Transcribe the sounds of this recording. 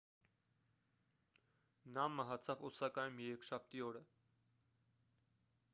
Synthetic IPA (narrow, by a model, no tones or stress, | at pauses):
nɑmɑɦɑt͡sʰɑvɔsɑkɑjumjɛɾɛkʃɑp̚ʰt̪iɔɾə